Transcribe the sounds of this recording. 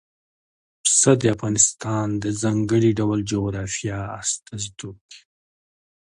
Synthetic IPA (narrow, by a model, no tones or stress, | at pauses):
sad̪əafɣɑnɪst̪ɑnd̪əzɑŋɡəɽiɖawld͡ʒoɣɾɑfijɑ̰ːst̪azd̪uki̥